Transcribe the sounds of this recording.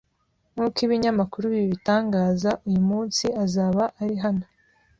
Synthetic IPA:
ŋuːkiβiɲamakuɾuβiβiβitaːŋɡaːzaʔujumuːnsiazaːβaʔaɾiɦano

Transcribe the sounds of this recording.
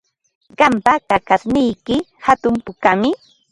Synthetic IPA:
ɢɑmpakakasnɪjkɪhat̪ʊmpʊkamɪ

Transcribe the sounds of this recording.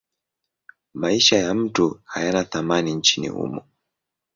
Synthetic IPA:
maiʃajam̩tuhajanaθamanin̩t͡ʃinḭhṵmɔ

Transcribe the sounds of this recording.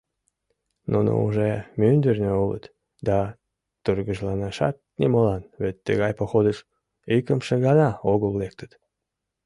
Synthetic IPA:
nʔuno̰uʒemynd̪ərnʲøulə̰t̪ | d̪ɑ | t̪urɣəʒlɑnɑʃɑ̰t̪̚nimolɑnβet̪ːəɣɑjpoxod̪əʃ | ikəmʃeɣɑnɑoɣəlːek̚t̪ə̥t̪

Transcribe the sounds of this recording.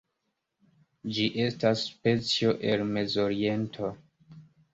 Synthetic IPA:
d͡ʒiʔe̞stasːpe̞t͡sio̞ʔelme̞zo̞ɾie̞ntʰo̞

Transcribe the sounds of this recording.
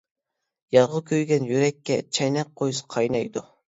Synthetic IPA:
jɑɾʁəlˠkʲʰøɾɡʲɛnjyɾɛkʲːɛt͡ʃʰɛjnɛq̚qːojsɨ̥qʰɑjnɑjd̪u

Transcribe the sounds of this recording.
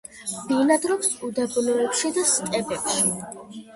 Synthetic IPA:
b̥inad̪ɾɔpsud̪abnɔɛpʃid̪ast̪ʼɛbɛpʃi

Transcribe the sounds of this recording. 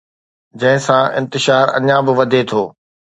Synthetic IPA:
d͡ʑɐ̃ɦɪ̃sãʔɪ̃nt̪ɪʃaːɾɐ̰ɲãbɪʋɐd̪ʱet̪ʰoː

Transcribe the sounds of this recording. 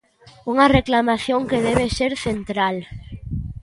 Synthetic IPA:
uŋɐreklamaθjoŋkeðeβ̞eseɾθent̪ɾal

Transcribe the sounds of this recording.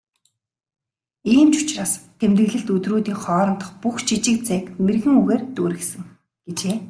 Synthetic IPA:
iːmt͡ɕʊ̥t͡ɕraːst̪ʰemt̪ɘ̆ɣɮɘ̆ɬt̪ɵt̪roːt̪iːŋχɔːɾɞ̆nt̪ə̆χpuxt͡ɕʰit͡ɕɪ̆k̚t͡sæːkmerɣɘ̆ŋuɣeːrt̪uːɾɘ̆ksɘ̆ŋ | ɡ̥et͡ɕeː

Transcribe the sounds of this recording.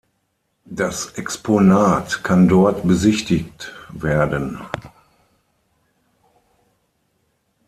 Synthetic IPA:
dasʔɛksponaːtkʰandɔɐtbəzɪçtɪktveːɐdən

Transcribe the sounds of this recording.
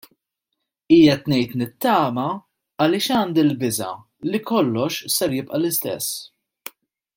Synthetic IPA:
iːjɛt̪nɛjt̪nɪt̪ːɐːmɐ | ɐlɪːʃɐːnd̪ɪlbɪzɐ̰ | likɔlːɔʃsɛɾjɪpʔɐlɪst̪ɛ̰sː

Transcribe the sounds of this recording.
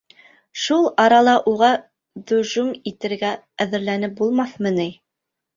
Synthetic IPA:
ʃulˠɑɾɑlˠɑʔuʁɑ | d̪ɵ̆ʒumit̪ɘ̆ɾɡæ | æðɘ̆ɾlænɘp̚bulˠmɑθmɤ̆nij

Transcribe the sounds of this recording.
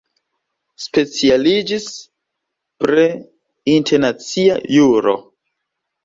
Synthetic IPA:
spe̞t͡sialid͡ʒis | pɾe | intʰeɾnat͡siajuɾo̞̰

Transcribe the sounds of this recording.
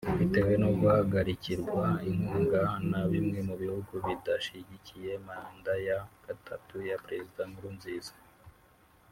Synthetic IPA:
uβite̞we̞noɡuhaɡaɾiciɾɡwaiŋuːŋɡanaβimŋe̞muβihuɡuβidaʃiɟicije̞mandajaɡ̥atʰatujapɾe̞zidamuɾuːnziːzḁ

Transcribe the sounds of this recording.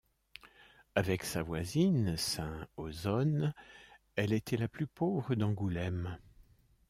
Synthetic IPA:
avɛksavwazinsɛ̃ozɔn | ɛlet̪ʰɛlaplypovʁəd̪ɑ̃ɡulɛm

